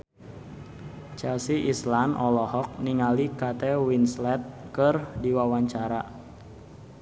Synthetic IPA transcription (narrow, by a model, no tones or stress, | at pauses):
t͡ʃɛlsiʔislanʔɔlɔhɔk̚niŋalikat̪ɛwinslɛt̪̚kɨrdiwawaɲt͡ʃaɾa